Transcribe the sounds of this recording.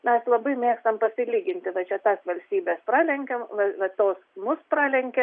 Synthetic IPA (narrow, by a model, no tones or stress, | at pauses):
mʲɛslˠɐbɐɪmʲeːkst̪ɐmpɐsʲɪlʲiːɡʲɪnʲt̪ʲɪʋɐt͡ʃʲɛt̪ɑːsʋɐlʲsʲt̪ʲiːbʲeːsprɑːlʲɛŋʲkʲɛmʋɐʋɐt̪oːsmʊsprɑːlʲɛŋʲkʲe